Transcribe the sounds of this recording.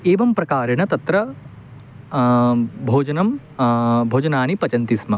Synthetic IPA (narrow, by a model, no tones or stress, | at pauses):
eːʋɐmpɾɐkaːɾɐɳɐt̪ɐt̪ɾɐ | bʱoːd͡ʒɐnɐm | bʱoːd͡ʒɐnaːnipɐt͡ʃɐnt̪ismɐ